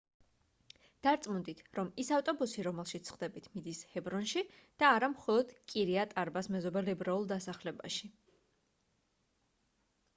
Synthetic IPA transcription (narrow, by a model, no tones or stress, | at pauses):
d̪̥aɾt̪sʼmund̪it̪ʰɾɔmisaft̪ʼɔbusiɾɔmɛlˠʃit̪sχd̪ɛbit̪ʰmid̪ishɛbɾɔnʃid̪̥aːɾamχɔlˠɔd̪̥kʼiɾiat̪ʼaɾbasmɛzɔbɛlɛbɾaulˠd̪asaχlɛba̰ʃi